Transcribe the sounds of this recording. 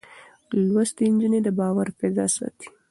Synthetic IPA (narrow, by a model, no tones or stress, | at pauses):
lwast̪ind͡ʒined̪əbɑwaɾpɛd̪ɑ̰sɑ̰t̪i̥